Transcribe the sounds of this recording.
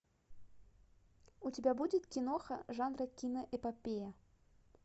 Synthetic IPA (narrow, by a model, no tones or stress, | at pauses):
utʲɪbʲabudʲɪt̪kʲinoxɐʐanrəkʲinəʔɛpɐpʲejə